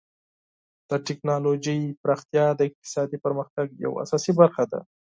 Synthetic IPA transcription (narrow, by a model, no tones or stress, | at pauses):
d̪̥əʈɪknɑlod͡ʒəjpɾɑxt̪jɑd̪əɪq̚t̪ɪ̥sɑd̪ipəɾməxt̪aɡja̰wa̰sɑsibaɾxad̪a̰